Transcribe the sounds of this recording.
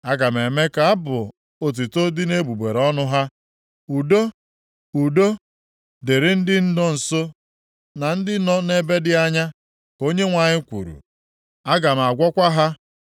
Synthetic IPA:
a˦ɡa˨m̩˨e˨me˦ka˨a˦bʊ˨ | o˨t̬u˨to˦dɪ˦ne˦bu˨be˨ɾɔ˦nʊ˦ɦa˦ | u˨do˦ | u˨do˦ | de˨ɾɪ˦n̩˦dɪ˦n̩˦dɔ˦n̩˨so˦ | na˨n̩˦dɪ˦nɔ˦ne˦be˦dɪ˦a˦ɲa˦ | ko˦ɲe˦ŋʷa˨ɲɪ˦kʷṵ˨ɾṵ˨ | a˦ɡa˨m̩˨a˨ɡʷɔ˦kʷa˦ɦa˦

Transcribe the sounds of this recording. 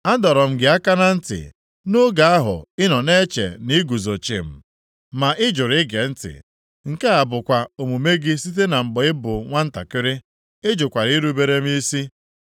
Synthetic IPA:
a˦dɔ˨ɾɔ˨m̩˦ɡɪ˨˦a˦ka˦na˦n̩˦tɪ̰˨ | nʊ˦ɡa˨a˦ɦʊ̰˨ɪ˦nɔ˨ne˦t͡ʃḛ˨ni˦ɡu˨zo˨t͡ʃḭ˨m̩˨ | ma˨ʔɪ˦d͡ʒʊ˨ɾɪ˦ɡe˨n̩˦tɪ̰˨ | ŋ̩˦˨ke˦a˨bʊ˨kʷa˨o˨mu˨me˦ɡɪ˦si˦t̬e˦na˨ŋ͡m̩˨ɡ͡bɔ˨˦ɪ˦bʊ˨ŋʷa˦n̩˦ta̰˨kɪ˦ɾɪ˦ | ɪ˦d͡ʒʊ˨kʷa˨ɾi˦i˦ɾu˦be˦ɾe˦m̩˦i˦si˦

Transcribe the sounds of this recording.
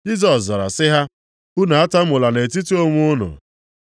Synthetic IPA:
d͡ʒi˦s̬ɔ˨szɔ˨ɾa̰˨sɪ˦ɦa˦ | u˦na˨a˦ta˦m̩ʊ˨la˨ne˨t̬i˦ti˦o˦ŋʷʊ˦ʊ˦nʊ̰˨

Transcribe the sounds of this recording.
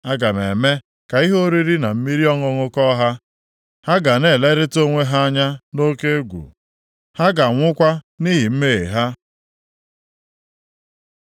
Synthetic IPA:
a˦ɡa˨me˨me˦ | ka˨i˦ɦo˦ɾi˦ɾi˦na˨m̩˦mi˦ɾi˦ɔ˦ŋʊ˦ŋʊ˦kɔ˦ɦa˦ | ha˦ɡa˨ne˨le˦ɾɪ˦to˦ŋʷe˦ɦa˦a˦ɲa˦no˦ke˦ɡʷṵ˨ | ha˦ɡa˨ŋʷʊ˦kʷa˦ | ni˦ɦi˨m̩˦me˦˨ḛ˨ɦa˦

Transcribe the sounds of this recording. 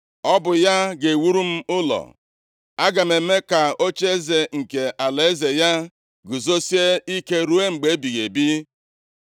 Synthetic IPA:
ɔ˦bʊ˨ja˦ɡe˨wu˦ɾu˦m̩˦ʊ˦lɔ̰˨ | a˦ɡa˨me˨me˦ka˨o˦t͡ʃe˦e˦ze˨ŋ̩˨ke˨ʔa˨le˦ze˨ja˦ | ɡʊ˨zo˦si˦e˦i˦ke˦ɾu˦e˦ŋ͡m̩˨ɡ͡be˨˦bi˨ɣe˨bi˦

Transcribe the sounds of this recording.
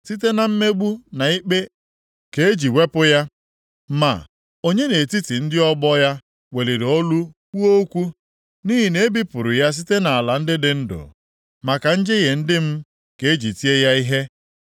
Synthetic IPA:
si˦te˦na˨m̩˦me˦ɡ͡bu˦na˨i˦k͡pe˦ | ke˨e˦d͡ʒi˨we˦pʊ˦ja˦ | ma̰˨ | o˦ɲe˦ne˨ti˦ti˨n̩˦dɪ˦ɔ˦ɡ͡bɔ˦ja˦ | we˨li˨ɾo˦lu˦ | u˦o˦kʷu˦ | ni˦ɦi˨ne˦bi˦pʊ˨ɾʊ˨ja˦s̬i˦te˦na˨a˨la˨n̩˦dɪ˦dɪ˨n̩˦dʊ̰˨ | ma˨ka˨n̩˦d͡ʒe˦ɣe˨n̩˦dɪ˦m̩˦ | ke˨e˦d͡ʒi˨ti˦e˦ja˦i˦ɦe˦

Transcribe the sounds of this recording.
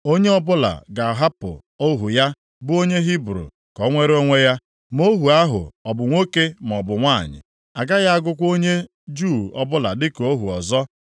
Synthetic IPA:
o˦ɲe˦ɔ˦bʊ˦la̰˨ɡa˨ɦa˦pʊ̰˨ | o˦ɦu˨ja˦ | bʊ˦o˦ɲe˦ɦi˦bɾo̰˨ | kɔ˨˦ŋʷe˦ɾo˦ŋʷe˦ja˦ | m˦o˦ɦu˨a˦ɦʊ̰˨ɔ˨bʊ˨ŋʷo˦ke˦m˨ɔ˨bʊ˨ŋʷa˦˨ɲɪ̰˨ | a˨ɡa˦ɣa˦a˦ɡʊ˦kʷo˦ɲe˦ | d͡ʒuː˦˨ɔ̰˦bʊ˦la˨dɪ˦ko˦ɦu˨ɔ˨zɔ˦

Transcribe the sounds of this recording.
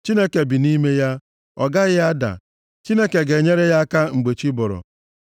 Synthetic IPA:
t͡ʃi˦ne˦ke˨bi˨ni˦me˦ja˦ | ɔ˨ɡa˦ɣɪ˦a˦da̰˨ | t͡ʃi˦ne˦ke˨ɡe˨ɲe˦ɾe˦ja˦ka˦ŋ͡m̩˨ɡ͡be˨t͡ʃi˦bɔ˨ɾɔ̰˨

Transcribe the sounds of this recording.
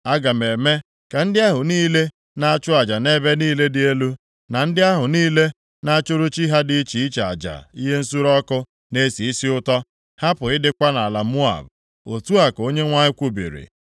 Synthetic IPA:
a˦ɡa˨me˨me˦ | ka˨n̩˦dɪ˦a˦ɦʊ˨niː˦le˦ | na˦a˦t͡ʃʊ˦a˨d͡ʒa˨ne˦be˦niː˦le˦dɪ˨e˦lu˦ | na˨n̩˦dɪ˦a˦ɦʊ˨niː˦le˦ | na˦a˦t͡ʃʊ˦ɾʊ˦t͡ʃi˦ɦa˦dɪ˦t͡ʃi˨i˦t͡ʃa˨a̰˨d͡ʒa̰˨i˦ɦe˦n̩˦su˦ɾɔ˦kʊ˦ | ne˦si˨i˦si˦ʊ˦tɔ˦ | ha˦pʊ˨ɪ˦dɪ˦kʷa˦na˨la˨mu˦a̰˨b | o˨tu˦a˨ko˦ɲe˦ŋʷa˦ɲɪ˦kʷu˦bḭ˨ɾḭ˨

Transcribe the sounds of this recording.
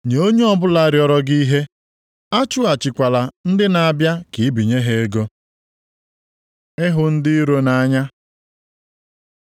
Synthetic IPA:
ɲ˨o˦ɲe˦ɔ˦bʊ˦la˦ɾjɔ˦ɾɔ˦ɡi˦i˦ɦe˦ | a˦t͡ʃʊ˦a˨t͡ʃɪ˨kʷa˨la˨n̩˦dɪ˦na˨bja˦ki˨˦bi˨ɲe˦ɦe˦e˦ɡo˦ | ɪ˦ɦʊ˨n̩˦dɪ˦ɾo˦na˨˦ɲa˦

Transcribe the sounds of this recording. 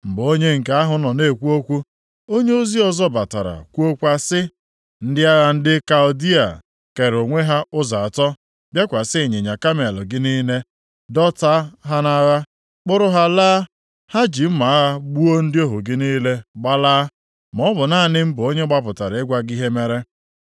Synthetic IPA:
m̩˨bo˦ɲe˦ŋ̩˨ka˦ɦʊ˨nɔ˨ne˦˨kʷu˦o˦kʷu˦ | o˦ɲe˦o˦zi˦ɔ˦zɔ˦ba˨ta̰˨ɾa̰˨kʷu˦o˦kʷa˦sɪ˦ | n̩˦dɪ˦a˦ɣa˦n̩˦dɪ˦ka˨ʊ˨di˦a̰˨ | ke˨ɾo˨ŋʷe˦ɦa˦ʊ˦za˨a˨tɔ˦ | bja˦kʷa˨sɪ˦e˨ɲe˨ɲa˨ka˦me˨l̰ɡɪ˦niː˦ne˦ | dɔ˦ta˦ɦa˦na˦ɣa˦ | k͡pʊ˦ɾʊ˦ɦa˦laː˦ | ha˦d͡ʒi˨m̩˦ma˨˦ɣa˦ɡ͡bu˦o˦n̩˦dɪ˦o˦ɦo˨ɡɪ˦niː˦le˦ɡ͡ba˦laː˦ | mɔ˨˦bʊ˨na˦˨nɪ˦m̩˦bʊ˨o˦ɲe˦ɡ͡ba˦p̬ʊ˨ta˨ɾa˨ɪ˦ɡʷa˦ɡi˦ɦe˦me˦ɾe˦

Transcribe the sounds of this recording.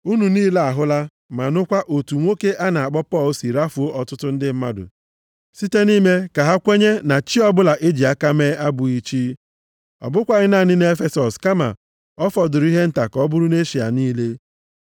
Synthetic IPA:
u˦nu˨niː˦le˦a˨ɦʊ˦la˦ | ma˨nʊ˦kʷa˦ʔo˨tu˨ŋʷo˦ke˦ʔa˦na˨a˨k͡pɔ˦pɔ˦˨lsi˨ɾa˦fu˨o˦ʔɔ˨tʊ˦tʊ˦n̩˦dɪ˦m̩˦ma˦dʊ̰˨ | si˦te˦ni˦me˦ka˨ɦa˦kʷe˦ɲe˦na˨t͡ʃi˦ɔ˦bʊ˦la˨ʔe˦d͡ʒi˨a˦ka˦meː˦a˦bʊ˨i˨t͡ʃi˦ | ɔ̰˨bʊ˦kʷa˦ɣɪ˦na˦˨nɪ˦n˦e˦fe˦sɔ˨ska˦ma̰˨ | ɔ˦fɔ˨dʊ˨ɾi˦ɦe˦n̩˦ta˨kɔ˦bʊ˦ɾʊ˦ne˦ʃi˨a̰˨niː˦le˦

